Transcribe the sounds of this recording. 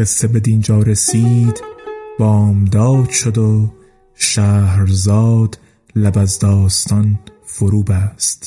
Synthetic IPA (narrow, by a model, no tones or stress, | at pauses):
esebe̞d̪ind͡ʒɒːɾesiːd̪b̥ɒːmd̪ɒːd̪ʃod̪o | ʃæːhɾzɒːd̪̥ | læbæzd̪ɒːst̪ʰɒnfoɾuːbæst̪